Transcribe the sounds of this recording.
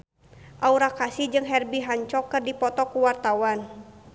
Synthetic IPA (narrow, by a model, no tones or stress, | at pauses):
ʔauɾakasid͡ʒɨŋɦɛrbiɦaɲt͡ʃɔkːɨrdipɔt̪ɔkuwart̪awan